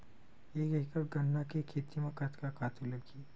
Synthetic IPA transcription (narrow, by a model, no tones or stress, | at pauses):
eːkɪkəɾɡɐnːakekʰeːt̪imẽkat̪kakaːt̪ulɐɡiː